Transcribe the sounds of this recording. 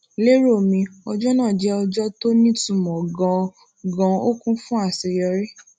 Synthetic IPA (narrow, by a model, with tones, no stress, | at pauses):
le˦ɾo˦˨mĩ˧ɔ˧d͡ʒɔ˦nã˦˨d͡ʒɛ˨˦ɔ˧d͡ʒɔ˦to˦nĩ˦tũ˦˨mɔ̃˨ɡã˧ | ɡã˧o˦kũ˦fũ˦a˦˨se˧jɔ˧ɾe˦